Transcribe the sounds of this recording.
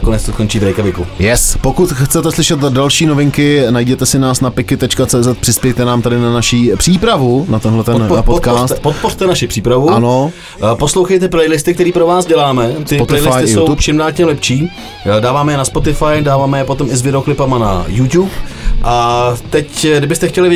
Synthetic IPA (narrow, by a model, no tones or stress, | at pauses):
konɛt͡st̪okont͡ʃiːbɾɛjkavɪkujɛspokut̪xt͡sɛt̪ɛslɪʃɛt̪dalʃiːnovɪŋkɪnajɟɛt̪ɛsɪnaːsnapɪkɪt̪ɛt͡ʃkat͡sɛːzɛt̪̚pr̥ɪspjɛjt̪ɛnaːmt̪adɪnanaʃiːpr̥iːpɾavunat̪ɛnɦlɛt̪ɛnpot̪kaoːrst̪ɛt̪pot̪̚por̥t̪ɛnaʃɪpr̥iːpɾavuano | po̞slowxejt̪ɛplɛjlɪst̪ɪkt̪ɛɾiːpɾovaːsɟɛlaːmɛt̪ɪtlɛjlɪsj̪ɪso̞wupʃɪmnaːcɲɛlɛpt͡ʃiː | daːvaːmɛjɛnaspo̞t̪ɪfajdaːvaːmɛjɛpot̪o̞mɪzvɪdɛoklɪpamana̰jut̪juːpʔat̪ɛcdɪbɪst̪ɛxcɛlɪv